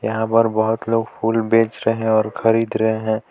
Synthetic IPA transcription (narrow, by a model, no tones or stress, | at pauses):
jɐɦãpəɾbɐɦʊt̪loːɡpʰuːlbeːt͡ʃɾɐɦeɦɛ̃ɔːɾxɐɾiːd̪ɾɐɦeɦɛ̃ː